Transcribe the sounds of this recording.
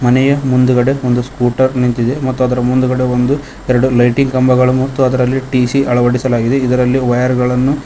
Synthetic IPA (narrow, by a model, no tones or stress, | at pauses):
mɐnɛjɐmund̪uɡɐɽe̞ond̪uskuːʈɐɾnint̪id̪e̞mɐt̪ːuɐd̪ɐɾɐmund̪uɡɐɽe̞ond̪u | ɛɾɐɽulɐjʈiŋɡkɐmbɐɡɐɭumɐt̪ːuɐd̪ɐɾɐlːiʈiːsiʔɐɭɐʋɐɽisɐlaːɡid̪e̞id̪ɐɾɐlːiʋɐjɐɾɡɐɭɐnːu